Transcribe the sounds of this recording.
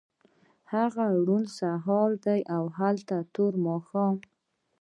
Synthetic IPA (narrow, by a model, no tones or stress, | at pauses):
haɣaɽunsaɦɑld̪ajʔawɦalt̪at̪oɾmɑxɑn